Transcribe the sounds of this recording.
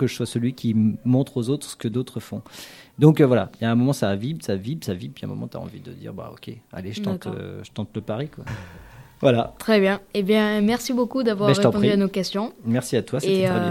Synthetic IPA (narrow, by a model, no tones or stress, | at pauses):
kəʒəswasəlɥikʲimɔ̃t̪χozot̪χsə̥kəd̪ot̪χəfɔ̃d̪ɔ̃kvwala̰jaɛ̃mɔmɑ̃savibsavibsavibpjaɛ̰̃mɔ̰mɑ̰̃t̪ya̰ɑ̰̃vid̪ə̰d̪ḭʁba̰o̰kʲḛa̰leʒə̥t̪ɑ̃t̪ʒə̥t̪ɑ̃t̪ləpaʁikwa | vwalat̪χɛbjɛ̃ebjɛ̃mɛʁsibokud̪avwaʁʁːet̪pɔ̃diyanokʲɛst̪jɔ̃mɛʁsiat̪wasettøɛ̃